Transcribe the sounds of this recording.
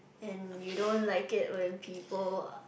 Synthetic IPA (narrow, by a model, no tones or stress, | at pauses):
ɛ̃njuɾõʊ̃nlaɪkɪʔwɛ̃npʰipəl